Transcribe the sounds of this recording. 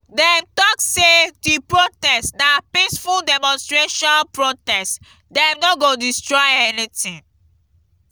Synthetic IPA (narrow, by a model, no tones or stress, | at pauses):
dɛmtɔksedipɹotɛstdapĩsfuldɛmɔ̃nstɹeʃɔ̃npɹotɛst | dɛ̃mnɔɡodistɹɔjɛnitĩŋ